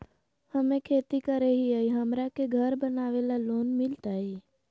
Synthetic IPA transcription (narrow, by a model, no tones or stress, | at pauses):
həmẽkʰeːt̪ikəɾeɦiaiɦəmɾakeɡʱəɾbənaːʋelaloːnmɪlt̪aiː